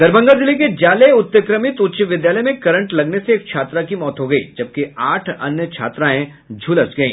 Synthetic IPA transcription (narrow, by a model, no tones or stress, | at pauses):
ɡ̪ɐɾbə̃ŋɡazɪliked͡ʒaːleʊt̪ːəkɾəmɪt̪ʊt̪ːʃəʋɪd̪jaːləjmẽkɐɾə̃ɳʈlɐɡneseːk̚t͡ʃʰaːt̪ɾakimɔːt̪ɦoɡɐḭːd͡ʒɐb̚keaːʈʰɐ̰njət͡ʃʰa̰ːt̪ɾaẽ | d͡ʒʱulɐt͡ʃɡɐḭ̃ː